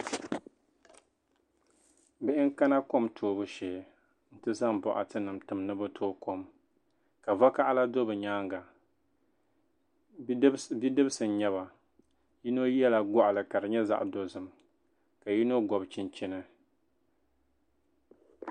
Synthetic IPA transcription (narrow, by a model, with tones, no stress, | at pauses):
bɨ˦ʔɪ˦ŋka˦na˦ko˦mtʰoː˨bɨ˦ʃeː˨ | n̩˦tɨ˦za˦ŋbɔ˨ʔa̰˨tɨ˦nɨ˨mtɨ˨mnɨ˦bɨ˦tʰoː˦ko˦m | ka˨va˦ka˦ʔa˦la˦do˦bɨ˨ɲaː˦ŋɡa˨˦ | bi˦dɨ˦bɨ˦sɨ˨n˦ɲɛ˦βa˨ | ji˦no˦jɛ˦la˨ɡɔ˨ʔa˨lɨ˨ka˨ɾɨ˨ɲɛ˦za̰˦ʔdo˦zɨ˨m | ka˨ji˦no˦ɡɔ˨bt͡ʃi˨nt͡ʃɪ˦nɨ˦